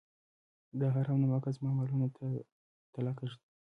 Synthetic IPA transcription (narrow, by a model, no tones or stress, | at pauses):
d̪əɦaɾawnamakazmɑmɑlunot̪ʰa | t̪ɪlɑkəʐid̪i